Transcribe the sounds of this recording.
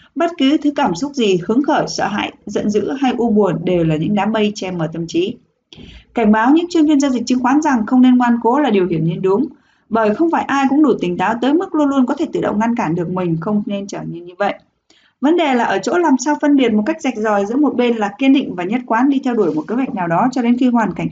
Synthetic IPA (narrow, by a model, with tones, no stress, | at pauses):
ɓə˦˥t̚kɨ˨˦t̪ʰɨ˨˦kaː˧˩msʊ˦˥k͡p̚zi˨˩hɨ˨˦əŋxəː˧˩jsə̰ː˧˨ɦa̰ː˧˨jzə̰˧˨nzɨ̰˧˥ɦa˧jʔu˧ɓu˨˩ənɗe˨˩wlaː˨˩ɲɨ̰˧˥ŋɗaː˨˦mə˧jt͡ɕɛ˧mːəː˨˩t̪ʰə˨˩mt͡ɕi˨˦ | ka˧˩jŋɓaː˨˦wɲɨ̰˧˥ŋt͡ɕwi˧əŋvi˧ənzaː˧zi̟˨˩t͡ɕɨ˨˦ŋxwaː˨˦nza˨˩ŋxə˧wŋ͡mne˧nŋwaː˧nko˨˦laː˨˩ɗi˨˩əwhi˧˩ənne˧nɗʊ˨˦ŋ͡m | ɓəː˧˩jxə˧wŋ͡mfaː˧˩jʔaː˧jkʊ̰˧˥ŋ͡mɗu˧˩t̪ï˨˩ŋ̟t̪aː˨˦wt̪əː˨˦jmɨ˦˥k̚lu˧ənlu˧ənkɔ˨˦t̪ʰe˧˩t̪ɨ̰˧˩ɗə̰˧˨ŋ͡mŋa˧nkaː˧˩nɗɨ˨˩ək̚mï˨˩ŋ̟xə˧wŋ͡mne˧nt͡ɕəː˧˩ɲe˧nɲɨ˧və̰˧˨jʔ | və˨˦nɗe˨˩laː˨˩ʔəː˧˩t͡ɕo̰˧˥laː˨˩msaː˧wfə˧nɓi˨˩ət̚mo˨˩t̚ka˦˥k̟̚za˨˩k̟̚zɔ˨˩jzɨ̰˧˥əmo˨˩t̚ɓe˧nlaː˨˩ki˧nɗḭ˧˨ŋ̟vaː˨˩ɲə˦˥t̚kwaː˨˦nɗi˧t̪ʰɛ˧wɗu˧˩əjmo˨˩t̚ke˨˦va˨˩jk̚naː˨˩wɗɔ˨˦t͡ɕɔ˧ɗe˨˦nxi˧ɦwaː˨˩nka˧˩jŋ̟